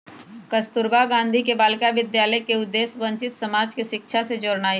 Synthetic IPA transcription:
kɐst̪ʊɾbaɡãːnd̪ʱikebaːlkaʋɪd̪jaːləkeʊd̪ːeːsʋə̃ɲt͡ʃɪt̪sɐmaːd͡ʒkiʃɪkʃʰased͡ʒoːɾnaːi

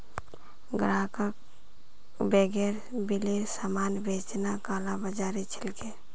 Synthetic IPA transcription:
ɡɾakək̚ | beɡeɾ | bilesamaːnbet͡ʃnakaːlabəd͡ʒaɾit͡ʃʰilke

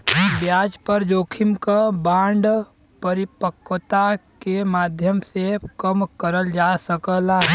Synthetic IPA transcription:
bjaːd͡ʒpəɾd͡ʒoːkʰɪmkabãːɳɖ | pəɾɪpəkːət̪akemaːd̪ʱjəmsekəmkəɾəld͡ʒasəkəla

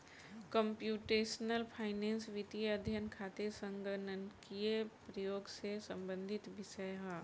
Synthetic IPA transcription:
kəmpjuːʈeːsnəlpʰaːɪnẽːnsʋit̪ijɐd̪ʱjənkʰaːt̪esə̃ŋɡənənkiepɾəjoːɡsesɐ̃mbə̃nd̪ʱɪt̪ʋɪʃəjɦa

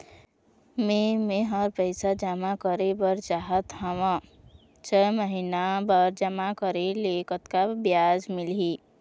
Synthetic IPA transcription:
mẽmẽɦəɾpəɪsad͡ʒamakəɾebəɾt͡ʃaːɦət̪ɦəʋã | t͡ʃʰɛməɦinabəɾd͡ʒəmakəɾeleːkət̪kabjaːd͡ʒmɪlɦi

